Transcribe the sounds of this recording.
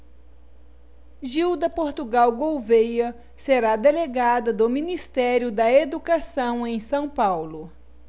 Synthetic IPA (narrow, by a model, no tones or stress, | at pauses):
ʒiwd̪ɐpoɾt̪uɡawɡowvejɐ | seɾad̪eleɡad̪ɐd̪ʊminist̪ɛɾjʊd̪ɐed̪ukasɐ̃w̃ẽj̃sɐ̃w̃pawlʊ